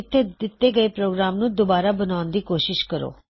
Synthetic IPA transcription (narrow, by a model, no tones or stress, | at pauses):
ɪt̪ʰːed̪ɪt̪ːeːɡəeːpɾoːɡɾaːmnũːd̪obaːɾaːbənaːnd̪iːkoːʃɪʃkəɾo̰ː